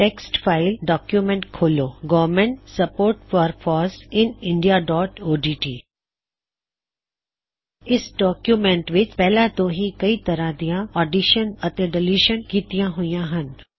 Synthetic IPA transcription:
ʈeːksʈfaːɪlɖɔːkjumẽɳʈkʰoːloːɡɔːʋmẽɳʈsɐpoːɾʈfɔːɾfʰɔːɾsɪnɪ̃ɳɖijaɖɔːʈoːɖiːʈiː | ɪsɖɔːkjumẽɳʈʋɪt͡ʃpɛɦlãt̪õɦikɐit̪ɐɾãd̪ijãɔːɖiʃənɐt̪ẽɖɪluːʃənkiːt̪ijãɦʊijãɦən

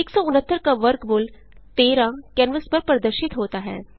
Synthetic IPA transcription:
eːksɔːʊnət̪ːəɾkaʋəɾkmʊl | t̪eːɾãkɛːnʋəspɐɾpɾɐd̪əɾʃɪt̪ɦoːt̪aɦɛ̰ː

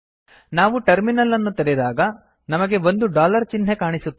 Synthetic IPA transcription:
naːʋuʈɐɾminɐlːɐnːut̪ɐɾɛd̪aːɡɐ | nɐmɐɡe̞ʋo̞nd̪uɖaːlɐɾt͡ʃinɦekaːɳisut̪ː

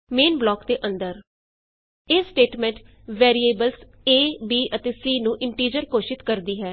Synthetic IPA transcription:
meːnblɔːkd̪eːʔə̃nd̪əɾ | eːsʈeːʈmɛ̃ːɳʈ | ʋɛːɾieːbəls | eːbiːʔət̪eːsiːnũːʔɪɳʈiːd͡ʒəɾkoːʃɪt̪kəɾd̪iːɦɛː

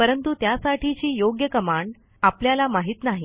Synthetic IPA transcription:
pəɾənt̪ut̪jasaʈʰit͡ɕiːjoɡjəkəmaɳɖ | apljalamaɦiːt̪naɦi

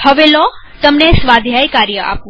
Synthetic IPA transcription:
həʋelo | t̪əmnesʋad̪ʱjajkaɾjəʔa̰pũ

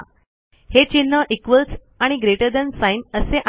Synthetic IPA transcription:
het͡ɕinːəʔikʋəls | aɽ̃iɡɾeʈəɾd̪ənsajnəseʔa

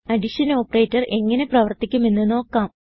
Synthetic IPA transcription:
ɐɖiʂɐno̞ːpːɐreːtːɐre̞ŋːɐne̞prɐʋɐrt̪ikʲːume̞nːɨno̞ːkːaːm

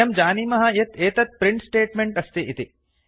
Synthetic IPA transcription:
ɐmd͡ʒaːniːmɐɦɐjɐt̪eːt̪ɐt̪̚pɾiɳʈsʈeːʈmeɳʈɐst̪iʔit̪i

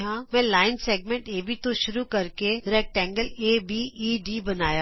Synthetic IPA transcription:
ɦãmɛ̃laːɪnseːɡ̚mɛ̃ɳʈeːbʱit̪oʃʊɾukɐɾkeɾɛːk̚ʈɛ̃ːŋɡəleːbiːiːɖiːbɐnaːjaː

